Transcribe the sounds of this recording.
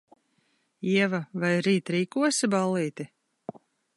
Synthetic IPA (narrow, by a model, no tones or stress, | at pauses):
iɛvavajɾiːt̪ɾiːkuɔsibalˠiːt̪i